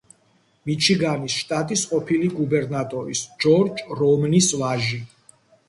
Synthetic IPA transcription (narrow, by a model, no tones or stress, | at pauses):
mit͡ʃʰiɡanisʃt̪ʼat̪ʼisqʼɔpʰiliɡubɛɾnat̪ʼɔɾisd͡ʒɔɾd͡ʒɾɔmnisvaʒi